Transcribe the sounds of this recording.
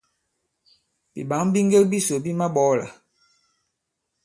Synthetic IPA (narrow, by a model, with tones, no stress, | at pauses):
bi˨ɓa˨˦ŋ˦bi˦ŋ˦ɡe˦lbi˦so˨bi˦ma˦ɓɔ˨˦˨la̰˨